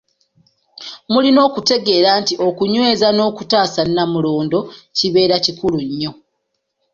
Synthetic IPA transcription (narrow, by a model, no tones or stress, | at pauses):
mulino̞ːkute̞ɡe̞ːɾaːntiʔo̞kuɲwe̞ːzano̞ːkutaːsanːamuloːndo̞ciβe̞ːɾacikuluɲːo̞